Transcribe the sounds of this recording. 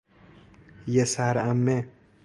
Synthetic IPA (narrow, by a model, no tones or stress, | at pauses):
jesaɾamːe